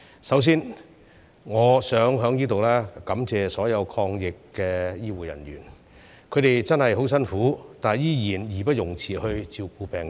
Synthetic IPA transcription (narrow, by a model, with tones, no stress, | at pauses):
sɐ˨˥ws̬iː˥n | ŋɔː˨˧sœː˨˥ŋɦœː˨˥ŋjiː˥t̪o˨wlɛː˥kɐ˨˥mt͡sɛː˨sɔː˨˥jɐ˨˧wkʰɔː˧ŋjɪ˨kːɛː˧jiː˥wuː˨˩jɐ̰˨˩nɥy̰ː˨˩n | kʰɵ˨˧ɥɾe˨jt͡sɐ˥nhɐ˨jɦo˨˥wsɐ˥nfuː˨˥t̪aː˨jjiː˥jiː˨˩njiː˨˩pɐ˥t̚jʊ˨˩ŋt͡sʰiː˨˩hɵ˧ɥt͡siː˧wkuː˧pɛː˨ŋ